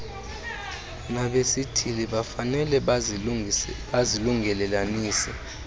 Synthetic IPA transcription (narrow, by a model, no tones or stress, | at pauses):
naɓesitʰiliɓafanɛlɛ | ɓaziluŋʱɛlɛlaniːsɛ